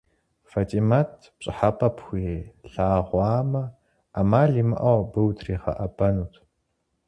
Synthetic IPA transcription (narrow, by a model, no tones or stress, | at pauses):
fɐtʰʼimatʰpɕʼɪħapʼɐpʰxʷiɬaːʁʷɑːmɐ | amaːɮiːmɨʔɐwbɨwtʰriːχɐ̰ʔɐbɐnuːtʰ